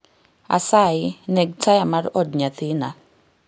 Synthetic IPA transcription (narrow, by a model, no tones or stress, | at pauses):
a̰saɪnɛɡ̚tajamaɾɔdɲat̪ɪna